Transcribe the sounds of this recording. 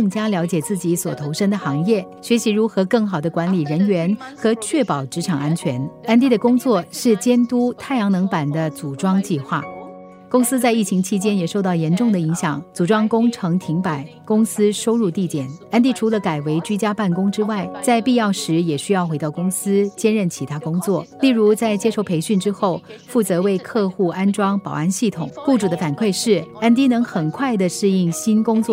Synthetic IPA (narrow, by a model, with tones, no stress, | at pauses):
ɤ˥˩ŋt͡ɕja˥ljɑ˧˥ʊt͡ɕjɛ˨˩t͡sɹ̩˥˩t͡ɕi˧˥swɔ˨˩t̪ʰo˧˥ʊʂə˥ŋd̪ə˨˩xɑ˧˥ŋjɛ˥˩ | ɕɥɛ˧˥ɕi˧˥ɻu˧˥xɤ˧˥kɤ˥˩ŋxɑ˨˩ʊd̪ə˦kwa˧˥nli˨˩ɻə˧˥nɥɛ˧˥nxɤ˧˥t͡ɕʰɥɛ˥˩pɑ˨˩ʊʈ͡ʂɻ̩˧˥ʈ͡ʂʰɑ˨˩ŋa˥nt͡ɕʰɥɛ˧˥na˥nt̪i˥˩d̪ə˩kʊ˥ŋt͡swɔ˥˩ʂɻ̩˥˩t͡ɕjɛ˥nt̪u˥t̪ʰa˥˩ɪjɑ˧˥ŋnɤ˧˥ŋpa˨˩nd̪ə˦t͡su˨˩ʈ͡ʂwɑ˥ŋt͡ɕi˥˧xwa̰˥˩ | kʊ˥ŋsɹ̩˥t͡sa˥˧ɪi˥˩t͡ɕʰi˧˥ŋt͡ɕʰi˥t͡ɕjɛ˥njɛ˨˩ʂo˥˧ʊt̪ɑ˥˩ʊjɛ˧˥nʈ͡ʂʊ˥˩ŋd̪ə˩i˧˥ŋɕjɑ˨˩˦ŋt͡su˨˩ʈ͡ʂwɑ˥ŋkʊ˥ŋʈ͡ʂʰɤ˧˥ŋt̪ʰi˧˥ŋpa˨˩˦ɪkʊ˥ŋsɹ̩˥ʂo˥ʊɻu˥˧t̪i˥˩t̪jɛ˨˩˦na˥nt̪̬i˥˩ʈ͡ʂʰu˧˥lə˧ka˨˩ɪwe˧˥ɪt͡ɕy˥t͡ɕja˥pa˥˩nkʊ˥ŋʈ͡ʂɻ̩˥wa˥˩ɪt͡sa˥˧ɪpi˥˧jɑ˥˩ʊʂɻ̩˧˥jɛ˨˩ɕy˥jɑ˥˩ʊxe˧˥ɪɑ˥˩ʊkʊ˥ŋsɹ̩˥t͡ɕjɛ˥nɻə˥˩nt͡ɕʰi˧˥t̪ʰa˥kʊ˥ŋt͡swɔ˥˩li˥˩ɻu˧˥t͡sa˥˩ɪt͡ɕjɛ˥ʂo˥˩ʊpʰe˧˥ɪɕy˥˩nʈ͡ʂɻ̩˥xo˥˩ʊ | fu˥˩t͡sɤ˧˥we˥˧ɪkʰɤ˥˧xu˥˩a˥nʈ͡ʂwɑ˥ŋpɑ˨˩ʊa˥˧nɕi˥˩t̪ʰʊ˨˩˦ŋpu˥˩ʈ͡ʂu˨˩d̪ə˦fa˨˩nkʰwe˥˧ɪʂɻ̩˥˩a˥nt̪̬i˥nɤ˧˥ŋxə˨˩nkʰwa˥˩ɪd̪ə˩ʂɻ̩˥˧i˥˩ŋɕi˥nkʊ˥ŋt͡swɔ˥˩